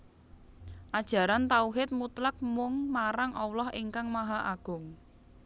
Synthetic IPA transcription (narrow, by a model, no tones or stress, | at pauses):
ʔad̥ʒ̥a̤ɾant̪auɦɪt̪̚mut̪lak̚mʊŋmaɾaŋʔɔwlɔheŋkaŋmaɦaʔaɡ̥ʊ̤ŋ